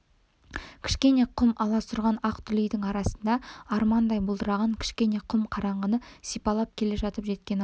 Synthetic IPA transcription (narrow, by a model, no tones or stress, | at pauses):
kʲʰɪ̥ʃkʲe̞ne̞qʰʊlˠmʔɑlˠɑsʊɾʁɑnɑqt̪ʰʏlijd̪ɪŋɑɾɑsənd̪ɑɑɾmɑnd̪ɑjbʊlˠd̪əɾɑʁɑŋkʲʰɪ̥ʃkʲe̞ne̞qʰʊlˠmqʰɑɾɑɴʁənəsijpɑlˠɑp̚kʲʰe̞le̞ʒɑt̪əpʒe̞t̪kʲe̞n